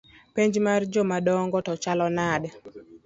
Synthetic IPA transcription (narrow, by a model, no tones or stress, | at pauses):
peɲd͡ʒmard͡ʒɔmadɔŋɡɔtɔt͡ʃalɔnad